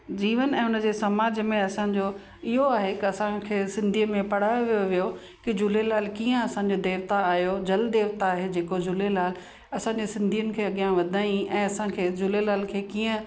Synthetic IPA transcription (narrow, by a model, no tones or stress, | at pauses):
d͡ʑiːʋənɛ̃ːʊnə̆d͡ʑeːsɐmaːd͡ʑmẽɐsãd͡ʑo | ɪɦoaːɦekɪɐsãkʰeːsɪ̃nd̪ʱiːmẽpɐɽ̤aːjoʋijoʋijo | kid͡ʑʊlelaːlkiːə̃ɐsãɲ̆d͡ʑod̪eːʋt̪aːɦijod͡ʑɐld̪eːʋt̪aːɦed͡ʑeːkod͡ʑʊlelaːl | ɐsãɲd͡ʑeːsɪ̃nd̪ʱijənɪ̆kʰeːɐɠijãʋɐd̪ʱaːĩʔɛ̃ːɐsãkʰeːd͡ʑʊlelaːlkʰeːkiːə̃